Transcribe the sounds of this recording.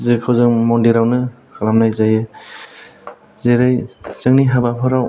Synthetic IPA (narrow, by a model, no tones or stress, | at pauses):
zɯkʰɯwzɯŋmɔndiɾawnɯ | kʰalamnajzajɯ | zeɾajzɯŋniɦabapʰɯɾaw